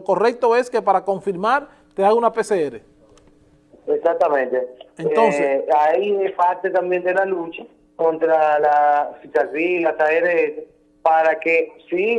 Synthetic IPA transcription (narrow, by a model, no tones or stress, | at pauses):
ko̞rek̚t̪oe̞skepaɾako̞ɱfiɾmaɾ | t̪eaɣunapeseeɾḛ | esak̚t̪ːamẽnt̪eent̪onseajiepat̪et̪ambjend̪elalut͡ʃa | kont̪ɾalafit͡ʃazɾiasaeɾeese | paɾakesi